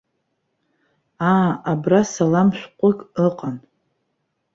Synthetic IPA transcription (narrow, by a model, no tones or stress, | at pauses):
aːabrasalamʃʷᶣqʷʼʊkʼəqʼan